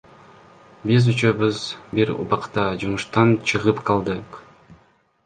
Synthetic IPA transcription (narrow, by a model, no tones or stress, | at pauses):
bizyt͡ʃøβɯzbiɾṵbɑqt̪ɑd͡ʒumuʃt̪ɑnt͡ʃʰɯʁɯpqʰɑlˠd̪ɯq